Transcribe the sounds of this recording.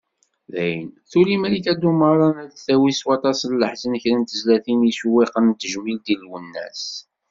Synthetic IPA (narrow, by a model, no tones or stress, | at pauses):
ðæjənθulimæliθæd̪umɑrˤɑnælθæwiswɑt̪ˤɑsllːəħzənəçɾænt̪əzlæθinisuwiqənt̪ːəʒmild̪ilwənːæ̰s